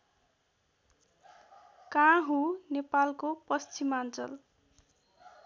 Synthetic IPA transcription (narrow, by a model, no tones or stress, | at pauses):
kãɦũnepalkopʌst͡simant͡sʌ̰l